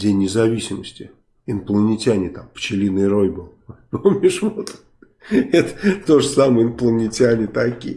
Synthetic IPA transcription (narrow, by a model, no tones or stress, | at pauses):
dʲenʲːɪzɐvʲisʲɪməsʲtʲɪ | ɪnplˠənʲɪtʲanʲɪt̪amft͡ɕɪlʲinɨɾo̞jbɨlˠpomʲɪʂvot̪ | ɛt̪ə̥t̪oʐəsaməjəɪnplˠənʲɪtʲɪanʲɪt̪ɐkʲḭj